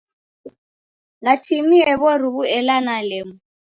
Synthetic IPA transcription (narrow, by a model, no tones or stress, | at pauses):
natʰimiɛβɔriβuɛlanalɛmu